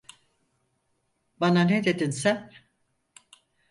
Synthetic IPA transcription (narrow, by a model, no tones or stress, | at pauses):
bananed̪e̞d̪insæn